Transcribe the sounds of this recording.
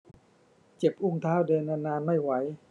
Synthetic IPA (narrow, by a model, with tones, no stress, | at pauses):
t͡ɕe˨˩p̚ʔu˥˩ŋt̪ʰaː˥˩wdɤː˧nːaː˧nːaː˧nma˥˩jwa˩˦j